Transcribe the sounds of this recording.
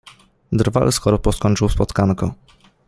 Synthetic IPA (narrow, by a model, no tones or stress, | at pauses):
d̪rva̰lskɔɾɔpɔskɔɲʲt͡ʂɘwspɔt̪kankɔ